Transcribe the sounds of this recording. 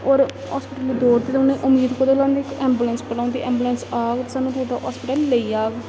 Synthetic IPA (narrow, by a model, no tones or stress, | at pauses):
ɔːɾ | a̰ːspɪʈəlid̪oːɾd̪eːt̪ʊnːẽːʔʊmiːd̪kod̪eːlãːnd̪iːkɛ̃ːmbuːlənspəɽãːnd̪iːʔɛ̃ːmbuːlənsaːɡt̪ːsaːnũːt̪uːʈa̰ɦa̰ːspɪʈəlːeiːaːɡ